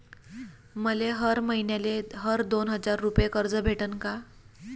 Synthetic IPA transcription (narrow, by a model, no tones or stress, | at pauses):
məleɦəɾməɦinjaleɦəɾd̪onɦəd͡zaɾːupjekəɾd͡zəbʱeʈənka